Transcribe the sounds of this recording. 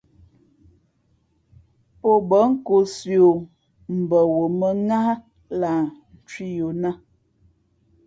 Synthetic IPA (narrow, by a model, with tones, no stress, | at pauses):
po˦bə˨˦ŋ̩˦ko˨sjo˨ | m̩˨bə˨wo˨mə˦ŋa˦ | la˨n̩˨t͡ʃwi˦jo˨na˦